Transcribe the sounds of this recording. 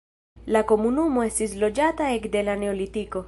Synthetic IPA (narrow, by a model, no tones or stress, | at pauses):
lakomunumoesizlod͡ʒat̪aekd̪elaneolit̪iko